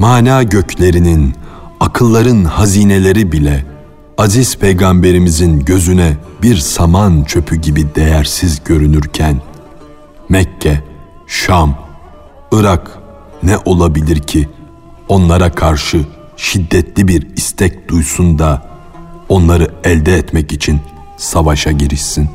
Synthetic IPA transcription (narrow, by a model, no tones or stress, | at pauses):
maːnaːɟø̞cʰlʲe̞ɾininakʰɯlˠːaɾɯnhaziːne̞lʲe̞ɾibilʲɛ | aziz̥pʰejɡambe̞ɾimizinɟø̞zynɛbiɾsamant͡ʃʰø̞pʰyɟibid̪ejæɾsizɟø̞ɾynyɾcʰæn | mɛcʰːɛ | ʃam | ɯɾak | nɛʔo̞lˠabilʲiɾcʰi | o̞nlˠaɾakʰaɾʃɯ | ʃid̪ːɛt̪ʰlʲibiɾist̪ʰɛc̚d̪̥ujsund̪a | o̞nlˠaɾɯɛlʲd̪ɛːt̪mɛcit͡ʃʰin | savaʃaɟiɾiʃsin